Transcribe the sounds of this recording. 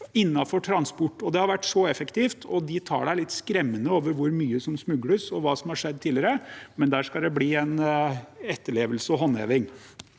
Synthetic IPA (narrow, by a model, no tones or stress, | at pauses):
ɪnːɑfɔʈʰɾɑnspʊʈːɔd̪ɛhɑɾʋæʈːsɔɛfəkt̪iːft̪ʰɔd̪ɪt̪ʰɑ̰ːɖæɪlɪt̪ːskɾɛmːənəoːʋəɾʋʊɾmyːəsɔmsmʉɡɽəsɔʋɑːsɔmhɑʂɛd̪ːt̪ʰiːlɪəɾəmɛnd̪æːʂkɑld̪ɛbliːɛn | ɛt̪ːəɭeːʋəlsəɔɦɔnːḛːʋɪŋ